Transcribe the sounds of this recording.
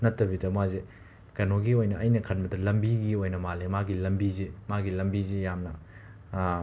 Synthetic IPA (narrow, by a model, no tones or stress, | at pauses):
nɐtːɐbidɐmwaze | kɐnoɡiojnɐʔɐjnɐkʰɐnbɐdɐlɐmbiɡiojnɐmalemaɡilɐmbizemaɡilɐmbizejamnɐ